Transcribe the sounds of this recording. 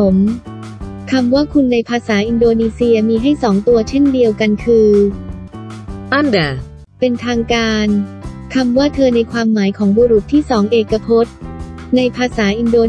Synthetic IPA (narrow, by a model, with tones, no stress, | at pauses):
o˩˦m | kʰa˧mwaː˥˩kʰu˧nːa˧jpʰaː˧saː˩˦ʔi˧ndoː˧niː˧si˧ɐmiː˧ɦa˥˩jsɔː˩˦ŋt̪u˧ɐt͡ɕʰe˥˩ndi˧əwka˧nkʰɯː˧ | ʔa˥˩da˨˩ | pe˧nt̪ʰaː˧ŋkaː˧nkʰa˧mwaː˥˩t̪ʰɤː˧na˧jkʰwaː˧mːaː˩˦jkʰɔː˩˦ŋbuː˧ɾu˨˩t̪ʰːiː˥˩sɔː˩˦ŋʔeː˧˩kːa˧pʰo˦˥t̪̚na˧jpʰaː˧saː˩˦ʔi˧ndoː˧